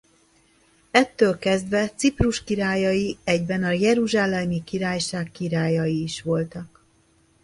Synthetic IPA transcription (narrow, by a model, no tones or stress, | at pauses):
ɛt̪ːøːlkɛzd̪ʋɛt̪sipruʃkiɾaːjɒjiɛɟbɛnɒjɛɾuʒaːlɛmikiɾaːjʃaːkːiɾaːjɒjiːʃʋo̞lt̪ɒk